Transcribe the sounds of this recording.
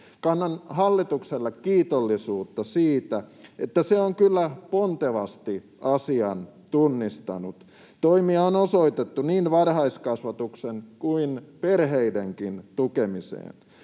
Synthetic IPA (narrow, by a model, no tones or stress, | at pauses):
kɑnːɑnhɑlːit̪ukselːɑkkiːt̪olːisuːt̪ːɑsiːt̪æet̪ːæseoŋkylːæpont̪eʋɑst̪i | ɑsiɑn | t̪unːist̪ɑ̰nṵt̪ | t̪oimiɑonosoit̪et̪ːuniːnʋɑrhɑiskɑsʋɑt̪uksenkuinperɦeideŋkint̪ukemisḛːn